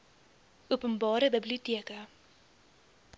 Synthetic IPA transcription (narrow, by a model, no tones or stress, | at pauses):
ʔuəpənbɑːɾəbəbliutiəkə